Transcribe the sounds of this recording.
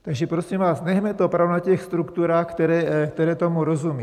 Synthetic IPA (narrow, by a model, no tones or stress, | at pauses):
t̪aɡʒɛpɾosimvaːsnɛɦmɛt̪opɾavunacɛxst̪ɾukt̪uɾaːxkt̪ɛɾɛːkt̪ɛɾɛːt̪omuɾozumiː